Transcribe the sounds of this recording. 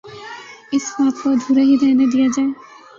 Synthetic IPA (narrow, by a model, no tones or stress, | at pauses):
ɪsmaːp̪kod̪ʱuːɾaɦid̪ʱɛːned̪ijad͡ʒaːe